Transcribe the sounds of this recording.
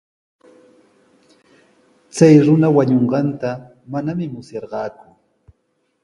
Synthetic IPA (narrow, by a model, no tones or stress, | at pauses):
t͡sajɾʊnawaɲoɴɢɑnt̪a | manamɪmʊsjɑɾɢɑːkʊ̥